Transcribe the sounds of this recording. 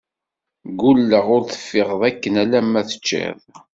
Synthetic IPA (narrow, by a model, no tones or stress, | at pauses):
ɡulːəʁʊɾθə̥fːɪʁðˤækːənælæmːæθə̥t͡ʃːḛðˤ